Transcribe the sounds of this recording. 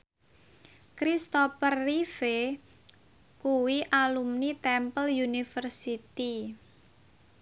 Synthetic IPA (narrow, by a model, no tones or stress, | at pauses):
kɾist̪opərːife | kuwiʔalumnit̪ɛmpəljunifərsit̪i